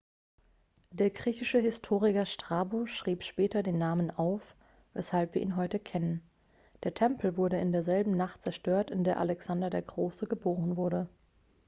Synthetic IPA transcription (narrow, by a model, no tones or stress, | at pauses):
d̥eːɐɡʁiːçɪʃəɦɪstʰoːʁ̞ɪkɐʃtʁ̥aːboʃʁ̥iːpʃpɛːtɐdeːnːaːmənaʊf | vɛ̰shalpviːɐʔiːnɦɔʏtəkʰɛnən | d̥eːɐtʰɛmpl̩vʊɐɾəɪndeːɐzɛlbm̩naχtt͡sɛɐʃtøːɐtɪndeːɐʔalɛksandɐdeːɐɡʁoːsəɡəboːʁənvʊɐɾə